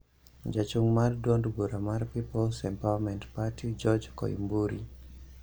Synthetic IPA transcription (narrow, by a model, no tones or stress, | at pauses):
d͡ʒat͡ʃuŋmaɾdɔndbuɾamaɾpipɔlsɛmpawamɛntpatid͡ʒɔd͡ʒkɔ̰ḭmbuɾi